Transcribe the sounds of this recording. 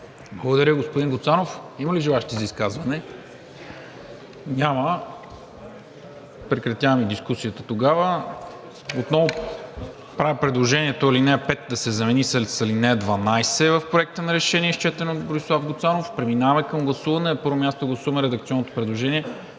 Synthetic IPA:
blˠɐɡod̪ɐɾʲəɡospʊd̪iŋɡʊt̪sanofimɐliʒɛlˠaʃt̪izɐiskazvɐnɛ | ɲʲamə | pɾɛkɾɐt̪javɐmid̪iskusijət̪ət̪oɡavə | ot̪nɔvʊ | pɾavipɾɛd̪lˠoʒɛniɛt̪oilinɛpɛt̪d̪ɐsɛzɐmɛnisɛlsɐlinɛd̪vɐnajsɛvɐfpɾoɛk̚t̪ənɐɾɛʃɛniɛʃt͡ʃɛt̪ɛnot̪boɾislˠafɡot̪sanofpɾɛminavɐmɛkəmɡlˠɐsuvɐnɛnɐpɤɾvomʲjast̪oɡlˠɐsuvɐmɛɾɛd̪ɐk̚t̪siɔnːot̪o̥pɾɛd̪lˠoʒɛniɛ

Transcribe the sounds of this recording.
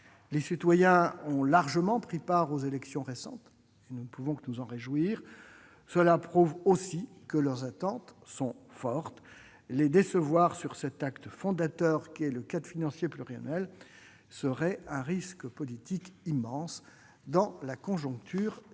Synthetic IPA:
lesit̪wajɛ̃ɔ̃laʁʒəmɑ̃pχipaʁozelɛksjɔ̃ʁesɑ̰̃t̪ | enunəpuvɔ̃kənuzɑ̃ʁeʒwiːʁ | səlapχuvosikəlœʁzat̪ɑ̃t̪sɔ̃fɔʁt̪ | led̪esəvwaʁsyʁsɛt̪akt̪fɔ̃d̪at̪œʁkʲiɛləkad̪finɑ̃sjeplyʁia̰nɥɛl | səʁɛɛ̃ʁiskpɔlit̪ikimːɑ̃s | d̪ɑ̃lakɔ̃ʒɔ̃kt̪ʰyːʁ

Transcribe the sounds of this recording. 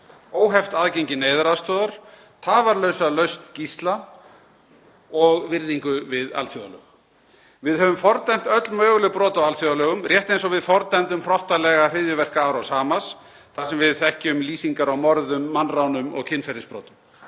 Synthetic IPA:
oːwɦɛft̪aðcejɲcɪneːjðaɾast̪ɔːðaɾ̥ | t̪ʰaːvaɾlœɥsalœɥst̪cist̪la | ɔɣvɪɾðiŋkʏvɪða̰lθjɔðalœ̰ːɣ | vɪðɦœvʏmfɔɾt̪am̥t̪œt̪lmœːɣlʏpɾɔːt̪awalθjɔðalœːɣʏmrjɛht̪ejnsɔɣvɪðfɔɾt̪ɛjmt̪ʏmr̥ɔht̪alɛɣar̥ɪðjʏvɛr̥kaːwɾawsaːmas | θasɛmvɪðθɛhcɪʏmliːsiŋkaɾawmɔɾðʏmːanrawnʏmɔ̰ɣcʰɪnfɛɾɪnspɾɔ̰ːt̪ʏm

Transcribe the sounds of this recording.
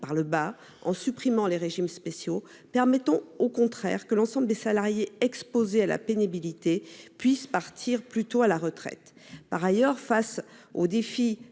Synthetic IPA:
paʁləba | ɑ̰̃sypχimɑ̃leʁeʒimspesjo | pɛʁmɛt̪ɑ̃okɔ̃t̪χɛ̰ʁkəlɑ̃sɑ̃bləd̪esalaʁjeɛkspozeala̰penibilit̪epɥispaʁt̪ʰiʁplyt̪oalaʁət̪χɛ̰t̪ | paʁajœʁfasod̪efi

